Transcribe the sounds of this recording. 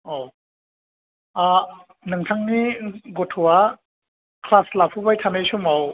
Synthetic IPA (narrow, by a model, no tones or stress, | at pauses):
o | a | nɯŋtʰaŋniɡɔtʰɔwa | kʰlaslapʰubajtʰamejsumaw